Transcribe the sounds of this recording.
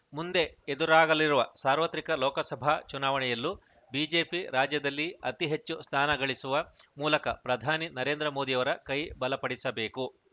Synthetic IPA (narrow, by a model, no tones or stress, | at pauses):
mund̪e̞ed̪uɾaːɡɐliɾuʋɐsaːɾʋɐt̪ɾikɐlɔːkɐsɐbʱat͡ʃunaːʋɐɳɛjɐlːu | biːd͡ʒe̞ːpiɾaːd͡ʒjɐd̪ɐlːiɐt̪iɦet͡ʃːust̪ʰaːnɐɡɐɭisuʋɐmuːlɐkɐpɾɐd̪ʱaːninɐɾe̞ːnd̪ɾɐmoːd̪ijɐʋɐɾɐkɐjbɐlɐpɐɽisɐbe̞ːku